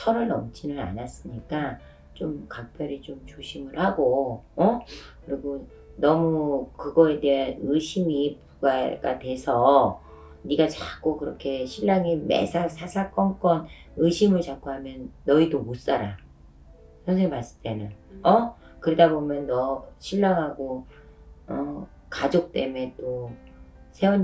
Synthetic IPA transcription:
sʰʌɾɯɭnʌmt͡ɕ͈ʰinɯna̰nas͈ɯmɲik͈a | t͡ɕomkak̚pʰjʌɾit͡ɕomt͡ɕoɕʰimɯɭhaɡoʌkɯɾiɡo | nʌmukɯɡʌe̞deanɯɕʰimipuɡaɡa̰twe̞sʰʌ | niɡat͡ɕak͈okɯɾʌkʰe̞ɕʰiɭːaŋimḛsʰaksʰasʰak͈ʌŋk͈ʌn | ɯɕʰimɯɭt͡ɕak̚k͈uɦamjʌnːʌidomos͈aɾa | sʰjʌnsʰeŋimas͈ɯ̥t͈e̞nɯnʌkɯɾedabomjʌnːʌɕʰiʎːaŋɦaɡo | ʌ | kad͡ʑok̚t͈e̞me̞t͈o | sʰe̞won

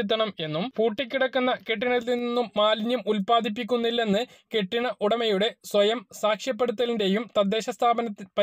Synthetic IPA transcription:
it̪̬ːɐɳɐme̞nːumpuːʈːikʲːiɽɐkːunːɐkeʈːiɳɐlininːumːaːlɲjumʔulpaːd̪ʱip̬ːik̬ʲːunːilːe̞nːɨ | ke̞ʈːiɳɐʔuɽɐmɐjuɽe̞sʋɐjɐmsaːkʂjɐp̬ːe̞ɽut̪ːɐlinde̞jumt̪ɐd̪ːe̞ːɕɐst̪ʰaːbɐnɐt̪ːipɐ

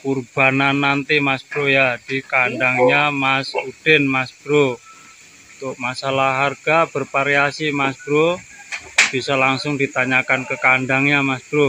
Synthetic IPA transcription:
kurb̥a̤nanːant̪imasb̥ɾojad̥ikandaŋɲamasud̥ɛnmasb̥ɾo | t̪ʊʔmasalaɦarɡ̥ab̥ərpaɾeasimasb̥ɾo | b̥isalaŋsʊŋdit̪aɲakankəkaɳdaŋɲamasb̥ɾo

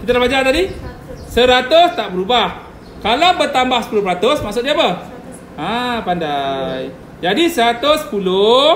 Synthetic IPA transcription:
kit̪alabad͡ʒat̪adi | səɾat̪ost̪aʔbəɾubah | kalawbərt̪ambahsə̥pulʊhpɾat̪ʊsmaʔksʊt̪̚diapə | ãpandaj | d͡ʒadisəɾat̪ospulo

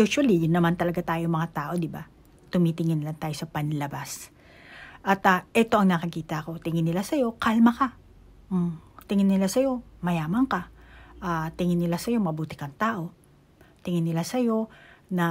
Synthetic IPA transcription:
juʃwɐlijʊnːɐmant̪ɐlɐɡat̪aːjomɐŋat̪aːʔo̞d̪ɪba̰ | t̪ʊmit̪ɪŋɪnlɐŋt̪aːjo̞sɐpɐnlɐbas | ʔɐt̪ɐʔɛt̪o̞ʔɐŋnɐkɐkiːt̪ɐʔɐko̞t̪ɪŋɪnɪlasɐjo̞kalmɐka | t̪ɪŋɪnːɪlasɐjo̞mɐjaːmɐŋkɐʔaːt̪ɪŋɪnːɪlasɐjo̞mɐbuːt̪ɪkɐŋt̪aːʔo̞ | t̪ɪŋɪnːɪlasɐjo̞nɐ

